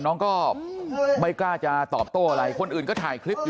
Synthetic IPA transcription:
nɔː˦˥ŋkɔː˥˩ | ma˥˩jklaː˥˩t͡ɕa˧t̪ɔː˨˩p̚t̪uː˥˩ʔa˧ɾa˧jkʰo˧nʔɯː˨˩nkɔː˥˩t̪ʰaː˨˩jkʰɾi˦˥p̚ː

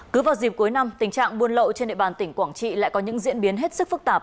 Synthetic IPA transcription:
kɨ˨˦vaː˨˩wzi˨˩p̚ku˨˦jna˧mt̪ï˧˩ŋ̟t͡ɕa̰ː˧˨ŋmu˧ənlə̰˧˨wt͡ɕe˧nɗḛ˧˨ɓaː˨˩nt̪ï˧˩ŋ̟kwaː˧˩ŋt͡ɕḭ˧˨la̰ː˧˨jkɔ˨˦ɲɨ̰˧˥ŋzḭ˧˥ənɓi˨˦ənɦe˦˥t̚sɨ˦˥k̚fɨ˦˥k̚t̪aː˨˩p̚

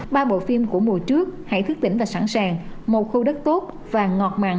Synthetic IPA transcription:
ɓaː˧ɓo̰˧˨fi˧mku˧˩əmu˨˩ət͡ɕɨ˦˥ək̚ha̰˧˥jt̪ʰɨ˦˥k̚t̪ï˧˩ŋ̟vaː˨˩sa˧˩nsaː˨˩ŋmo˨˩t̚xu˧ɗə˦˥k̚t̪o˦˥t̚ | vaː˨˩ŋɔ˨˩t̚ma̰ː˧˨ŋ

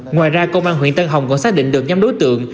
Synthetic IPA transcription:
ŋwa̰ː˨˩jzaː˧kə˧wʔaː˧nɦḭ˧ənt̪ə˧nɦa˨˩wŋ͡mkɔ˧˥saː˦˥ɗḭ˧˨ŋ̟ɗɨ˨˩ək̚ɲa˧mɗo˨˦jt̪ɨ̰˧˨əŋ

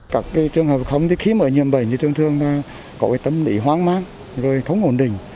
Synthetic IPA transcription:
kaː˦˥˩kːa˨˦jt͡ɕɨ˧əŋhəː˨˩p̚xə˧wŋ͡mt̪i˨˦xi˨˦məː˧˩ɲi˨əmɓə˧˩jɲɨ˧t̪ɨ˧əŋt̪ʰɨ˧əŋlaː˧˩ | kɔ˨˦vaː˨˩jt̪ə˧mlḭ˧˩ɦwaː˨˥ŋmaː˨˧˥n | zo˨˩jxə˧˦wŋ͡mʔo˧˩nɗï˨˩ŋ̟

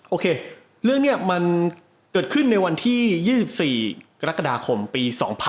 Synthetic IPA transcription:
ʔoː˧kʰeː˧ | ɾɯ˥˩əŋ̚ni˥˩ɐəma˧n | kɤː˨˩t̪̚kʰɯ˥˩nːa˧jwa˧nt̪ʰiː˥˩jiː˥˩si˨˩p̚siː˨˩ka˧ɾa˦˥kːa˧daː˧kʰo˧mpiː˧sɔː˩˦ŋpʰ

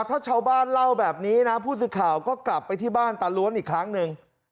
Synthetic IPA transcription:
t̪ʰaː˥˩t͡ɕʰaː˧wbaː˥˩nla˥˩wbɛː˨˩p̚niː˦˥na˦˥pʰuː˥˩sɯː˨˧˥kʰaː˨˩wkɔː˥˩kla˨˩pːa˧jt̪ʰiː˥˩baː˥˩nt̪aː˨˧lu˦˥ənʔiː˨˩kʰɾa˦˥ŋnɯ˧ŋ

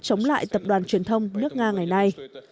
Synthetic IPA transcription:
t͡ɕə˨˦wŋ͡mla̰ː˧˨jt̪ə˨˩p̚ɗwaː˨˩nt͡ɕwi˨˩ənt̪ʰə˧wŋ͡mnɨ˦˥ək̚ŋaː˧ŋa˨˩jna˧j

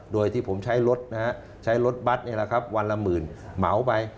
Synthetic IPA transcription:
doː˧jt̪ʰiː˥˩pʰo˩˦mt͡ɕʰa˦˥jlo˦˥t̪̚na˦˥ha˦˥ | t͡ɕʰa˦˥jlo˦˥t̪̚ba˦˥t̪̚ni˥˩˨la˨˧kʰa˦˥p̚wa˧nla˧mɯː˨˩nma˩˦wpa˧j

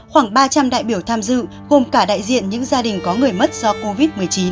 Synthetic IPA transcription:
xwaː˧˩ŋɓaː˧t͡ɕa˧mɗa̰ː˧˨jɓi˧˩əwt̪ʰaː˧mzɨ̰˧˨ | ɣo˨˩mkaː˧˩ɗa̰ː˧˨jzḭ˧˨ənɲɨ̰˧˥ŋzaː˧ɗï˨˩ŋ̟kɔ˨˦ŋɨ˨˩əjmə˦˥t̚z̥ɔ˧ko˧vi˦˥t̚mɨ˨˩əjt͡ɕi˨˦n

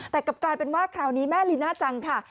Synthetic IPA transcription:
t̪ɛː˨˩ka˨˩p̚klaː˧jpe˧nwaː˥˩kʰɾaː˧˩wniː˦˥mɛː˥˩liː˦naː˥˩t͡ɕa˧ŋkʰa˥˩

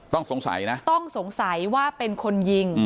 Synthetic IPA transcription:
t̪ɔ˥˩ŋso˨˩˦ŋsa̰˩˦jna˦˥ʔt̪ɔ˥˩ŋso˩˦ŋsa˩˦jwaː˥˩pe˧nkʰo˧nji˧ŋ

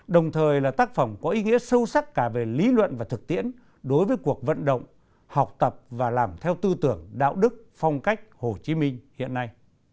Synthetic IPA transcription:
ɗə˨˩wŋ͡mt̪ʰəː˨˩jlaː˨˩t̪aː˦˥k̚fə˨˧˩wŋ͡mkɔ˨˦ʔi˨˦ŋḭ˧˥əsə˧wsa˦˥k̚kaː˧˩ve˨˩li˨˦lwə̰˧˨nvaː˨˩t̪ʰɨ˨˩k̚t̪ḭ˧˥ən | ɗo˨˦jvəː˨˦jku˨˩ək̚və̰˧˨nɗə̰˧˨wŋ͡m | ha˨˩wk͡p̚t̪ə˨˩p̚vaː˨˩laː˨˩mt̪ʰɛ˧wt̪ɨ˧t̪ɨ˧˩əŋɗa̰ː˧˨wɗɨ˦˥k̚fɔ˧wŋ͡mka˦˥jk̟̚ho˨˩t͡ɕi˨˦mï˧ŋ̟hḭ˧˨ənːa˧j

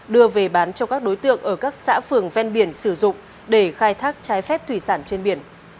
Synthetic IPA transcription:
ɗɨ˧əve˨˩ɓaː˨˦nt͡ɕɔ˧kaː˦˥k̚ɗo˨˦jt̪ɨ̰˧˨əŋʔəː˧˩kaː˦˥k̚sa̰ː˧˥fɨ˨˩əŋvɛ˧nɓi˧˩ənsɨ˧˩zʊ̰˧˨ŋ͡m | ɗe˧˩xaː˧jt̪ʰaː˦˥k̚t͡ɕaː˨˦jfɛ˦˥p̚t̪ʰwi˧˩saː˧˩nt͡ɕe˧nɓi˧˩ən

